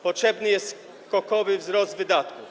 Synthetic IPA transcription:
pɔtʂɛbnɘjɛst̪ | kɔkɔvɘvzɾɔzd̪vɘd̪at̪ku

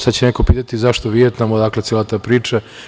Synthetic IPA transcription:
sad̪t͡ɕeneko̞piːt̪at̪izaʃt̪oʋiet̪namod̪aːklet̪sjelat̪aːpɾiːt͡ʃa

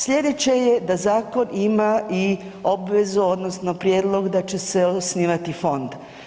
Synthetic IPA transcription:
sʎʲe̞d̪et͡ɕe̞jed̪azaːko̞nimai | o̞bʋezuod̪no̞sno̞pɾjeːd̪lˠo̞ɡd̪at͡ʃe̞seosniːʋat̪ifo̞nd̪

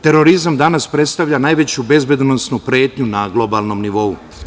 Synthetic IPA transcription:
t̪e̞ɾo̞ɾizamd̪anaspɾe̞t̪st̪aʋʎanaːjʋe̞t͡ɕube̞zbe̞d̪nosnupɾe̞ːt̪ɲunaɡlo̞baːlno̞mniʋo̞u

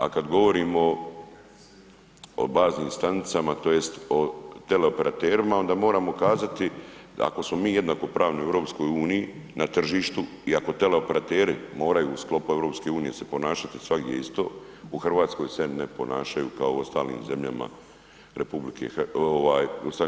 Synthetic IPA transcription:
a̰kad̪ɡo̞ʋo̞ɾiːmo̞ | o̰baːzniːmst̪anit̪samat̪o̞ːje̞st̪ot̪e̞le̞o̞pe̞ɾat̪eːɾimao̞nd̪aːmo̞ːɾaːmo̞kaːzat̪ia̰ko̞smo̞miːje̞d̪naːko̞pɾaːʋnojevɾo̞ːpsko̞juːnijinat̪r̩ʒiːʃt̪u | iako̞t̪e̞le̞o̞pe̞ɾat̪eːɾimo̞ːɾajuːsklo̞puevɾopske̞uːnije̞̰sepo̞naːʃat̪i̥sʋaɡd̪ʲjḛist̪o̞̰ː | uxr̩ʋaːt̪sko̞jse̞nepo̞naːʃajṵːkaouo̞st̪a̰ːlnḭːmze̞mʎa̰ma̰ | ɾepublikʰḛoʋaːjost̪a

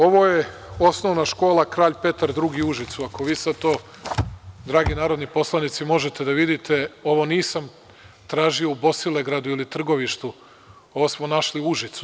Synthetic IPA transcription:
o̞ʋo̞je̞o̞sno̞ʋnaʃko̞ːlˠakɾaːʎpe̞t̪aɾd̪ɾuɡiuʒit̪suako̞ʋiːsad̪̚t̪oː | d̪ɾaːɡinaːɾod̪nipo̞slˠanit̪simo̞ʒet̪e̞d̪aʋid̪it̪ʰe̞o̞ʋo̞niːsam | t̪ɾaːʒio̞ubo̞sileɡɾad̪uilit̪r̩ɡo̞ʋiʃt̪u | o̞ʋosmonaʃliuʒit̪su

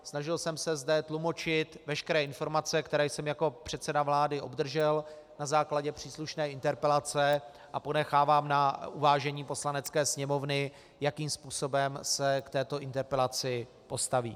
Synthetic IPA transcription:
snaʒɪlsɛmsɛzdɛt̪lumo̞t͡ʃɪt̪vɛʃkɛɾɛːʔɪnfo̞ɾmat͡sɛkt̪ɛɾɛːjsɛmjako̞pr̝̥ɛt̪t͡sɛdavlaːdɪʔo̞̰bd̪r̩ʒɛlnazaːklaɟɛpr̝̥iːsluʃnɛːɪnt̪ɛɾpɛlat͡sɛ | ʔapo̞nɛxaːvaːmnaʔuvaːʒɛɲiːpo̞slanɛt͡skɛːsɲɛmo̞vnɪ | jakiːmspuːso̞bɛmsɛkt̪ɛːt̪o̞ɪnt̪ɛɾpɛlat͡sɪ | po̞st̪avḭː

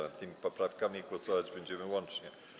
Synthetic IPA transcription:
ɛt̪ɘmʲipɔpɾafkamʲiɡwɔsɔvad͡ʑbɛɲd͡ʑɛmɘwɔnt͡ʂɲɛ

